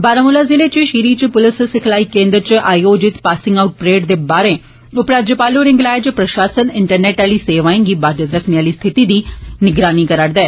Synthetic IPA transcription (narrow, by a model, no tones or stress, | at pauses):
baːɾəmʊlaːzɪleːt͡ʃʃiːɾiːt͡ʃpʊlɪssɪkʰlaːiːkẽːnd̪ɾət͡ʃʔaːioːd͡ʒɪt̪paːsɪ̃ŋɡaʊʈ̚pɾeːʈd̪eːbaːɾeː | ʊpɾaːd͡ʒəpaːloːɾɪ̃ŋɡlaːet͡ʃpɾəʃaːsənɪɳʈəɾnɛːʈaːliːseːʋãːẽŋɡiːbaːd̪jət̪ɾəkʰnejaːliːst̪ʰɪt̪iːd̪iːnɪɡɾaːniːkəɾaɽd̪ɛː